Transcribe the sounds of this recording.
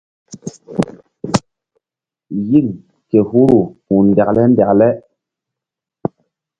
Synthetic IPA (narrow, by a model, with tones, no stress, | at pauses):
ji˦k | ke˨hu˦ɾu˨hu˨nda˨klɛ˦n˦da˨klɛ˦